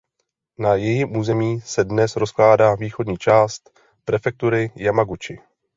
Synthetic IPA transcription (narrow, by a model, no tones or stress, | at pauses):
najɛjɪmʔuːzɛmiːsɛdnɛsɾo̞sklaːdaːviːxo̞dɲiːt͡ʃaːst̪ | pɾɛfɛk̚t̪uɾɪjamaɡut͡ʃɪ